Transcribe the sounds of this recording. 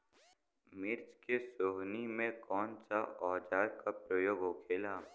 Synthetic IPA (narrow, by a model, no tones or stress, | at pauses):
mɪɾt͡ʃkesoɦnimẽkɔːnsaɔːd͡ʒaːɾkapɾəjoːɡɦokʰeːla